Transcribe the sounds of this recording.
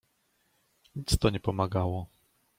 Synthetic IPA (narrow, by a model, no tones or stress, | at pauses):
ɲit̪st̪ɔɲɛpɔmaɡawɔ